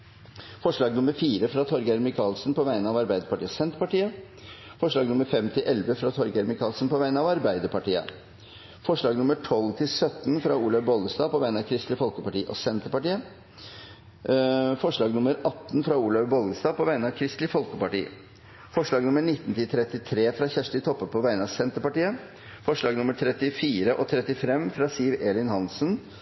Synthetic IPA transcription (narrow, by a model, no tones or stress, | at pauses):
fɔʂɭɑːɡnʊməɾfiːɾəfɾɑt̪ʰɔɾɡəæɾmɪkʰɑːlsnpʰɔʋæɪənəɑʋɑɾbæɪd̪əɾpɑʈiːəsɛnt̪əɾpɑʈiːə | fɔʂɭɑːɡnʊməɾfɛmt̪ʰɪlʔɛlʋəfɾɑt̪ʰɔɾɡæɾmɪkʰɑːlsnpɔʋæɪənəɑʋɑɾbæɪd̪əpɑʈiːə̰ | fɔʂɭɑːɡnʊməʈʰɔlːt̪ʰɪlsœt̪nfɾɑuːlɑʋbɔlˠəst̪ɑːpʰɔʋæɪnɑʋkʰɾɪst̪lɪfɔlkəpɑʈiːʔɔ̰sɛnt̪əɾpɑʈiːə | fɔʂɭɑːɡnʊməɾɑt̪ːn̩fɾɑuːlɑʋbɔlɡəst̪ɑːpʰɔʋæɪnɑʋkʰɾɪst̪lɪfɔlkəpɑʈḭː | fɔʂɭɑːɡnʊməɳɪt̪ːənt̪ɪlt̪ʰɾɛt̪ːɪt̪ʰɾeːfɾɑçæʂʈɪt̪ʰɔpːəpʰɔʋæɪənəɑʋsɛnt̪əpɑʈiːə | fɔʂɭɑːɡnʊməʈ̪ʰɾɛt̪ːɪfiːɾəʔɔt̪ʰɾɛt̪ːɪfɛmːfɾɑsiːʋeːlɪnhɑnsn